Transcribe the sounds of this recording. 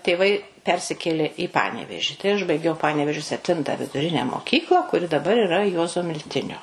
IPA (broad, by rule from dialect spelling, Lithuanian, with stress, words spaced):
tʲeːˈʋɐɪ ˈpʲɛrʲsʲɪkʲeːlʲeː iː ˈpɑːnʲɛʋʲɛʒʲɪ ˈʊʒbɐɪɡʲɛʊ ˈpɑːnʲɛʋʲeːʒʲoː sʲɛpʲˈtʲɪntɐ ʋʲɪdʊˈrʲɪnʲɛ moːˈkʲiːklˠɐ kʊˈrʲɪ dɐˈbɐr ɪˈrɐ ˈjuɔzoː mʲɪlʲˈtʲɪnʲoː